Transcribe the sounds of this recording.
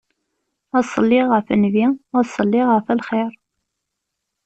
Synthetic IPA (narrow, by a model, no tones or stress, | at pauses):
ɑsˤəlːiʁəfənviæsˤəlːiʁəfælχɪɾ